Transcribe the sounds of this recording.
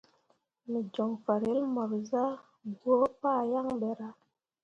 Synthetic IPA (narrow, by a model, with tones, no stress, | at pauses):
mi˨d͡ʒɔ˨ŋfa˨ɾe˦lmɔ˨ɾza˦ | bwo˦pa˦˨ja˦˨ŋbɛ˨ɾa˨